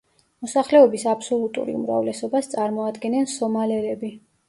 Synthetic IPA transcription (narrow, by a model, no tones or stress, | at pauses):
mɔsaχlɛɔbisapʰsɔlˠut̪ʼṵɾḭṵmɾa̰vlɛsɔbast̪sʼaɾmɔad̪ɡɛnɛnsɔmalɛɾɛbi